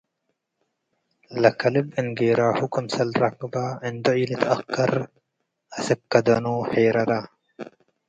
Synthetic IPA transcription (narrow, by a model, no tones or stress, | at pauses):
lɐkɐlibinɡeːɾaːhukɐmsɐlɾɐkbaːɪnd̪oiːlit̪ʰɐkːɐɾ | ɐsɪkːɐd̪ɐnuːħeːɾɐɾaː